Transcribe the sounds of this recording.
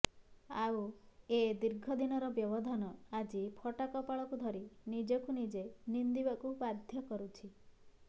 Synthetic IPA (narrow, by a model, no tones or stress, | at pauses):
awed̪iɾɡʱɔd̪inɔɾɔbjɔbɔd̪ʱɔnɔad͡ʒipʰɔʈakɔpaɭɔkud̪ʱɔɾinid͡ʒɔkunid͡ʒenind̪ibakubad̪ʱjɔkɔɾut͡ʃʰi